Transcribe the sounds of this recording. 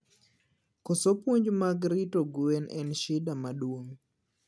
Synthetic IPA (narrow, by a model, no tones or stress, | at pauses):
kɔsopwoɲd͡ʒmaɡɾitoɡuɛnɛnʃɪdamaɗwom